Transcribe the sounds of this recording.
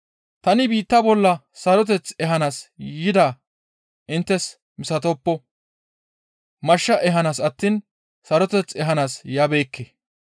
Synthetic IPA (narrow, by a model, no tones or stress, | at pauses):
t̪ɐnɪbiːt̪ːɐbɔlːɐ | sɐɾɔt̪̬ɛt͡sɛɦɐnaːsjɪd̪aː | ʔɪnt̪ːɛs | mɪsɐt̪oːpːɔ | mɐʃːɐʔɛɦɐnaːsɐt̪ːiːn | sɐɾɔt̪ɛt͡sːɛɦɐnaːsjabeːkːe